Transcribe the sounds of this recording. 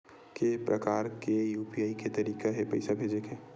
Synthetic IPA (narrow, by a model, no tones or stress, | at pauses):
kepɾʔɐ̰kaːɾkejuːpiaːiket̪ɐɾiːkaɦepɐɪsabʱeːd͡ʒeke